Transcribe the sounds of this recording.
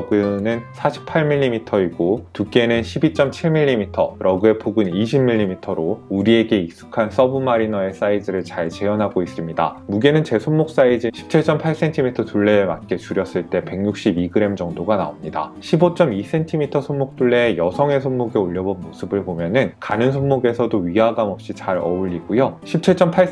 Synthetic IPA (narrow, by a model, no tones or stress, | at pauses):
ɡɯnɯnsʰaɕʰi̥pʰaɭmiʎːimitʰʌiɡotuk͈e̞nɯnɕʰibit͡ɕ͈ʌmt͡ɕʰiɭmiʎːimitʰʌɾʌɡɯe̞pʰoɡɯniɕʰimːiʎːimitʰʌɾouɾie̞ɡe̞ik̚s͈u̥kʰans͈ʌbɯmaɾinʌe̞s͈aid͡ʑɯɾɯɭt͡ɕaɭt͡ɕe̞jʌnɦaɡois͈ɯmɲida̰muɡe̞nɯnt͡ɕe̞sʰomːok̚s͈aid͡ʑiɕʰi̥p̚t͡ɕʰiɭt͡ɕ͈ʌmpʰaɭs͈e̞ntʰimitʰʌtuɭːe̞ːmat̚k͈e̞t͡ɕuɾjʌs͈ɯɭt͈e̞pe̞ŋɲuk̚ɕ͈ibiɡɯɾe̞md͡ʑʌŋdoɡana̰omɲida̰ɕʰibot͡ɕ͈ʌmis͈e̞ntʰimitʰʌsʰomːok̚t͈uɭːe̞ːjʌsʰʌŋe̞sʰommoɡe̞oʎːʌbonmosʰɯbɯɭpomjʌnɯnkanɯnsʰonːoɡe̞sʰʌdoɥiɦaɡamʌp̚ɕ͈it͡ɕaɾʌuʎːiɡ̥ujoɕʰip̚t͡ɕʰiɭt͡ɕ͈ʌmpʰa